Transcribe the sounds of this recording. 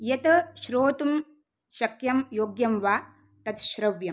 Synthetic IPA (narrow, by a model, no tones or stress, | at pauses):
jɐt̪ɐʃɾoːt̪um | ʃɐkjɐmjoːɡjɐmʋaː | t̪ɐt̪ʃɾɐʋjɐm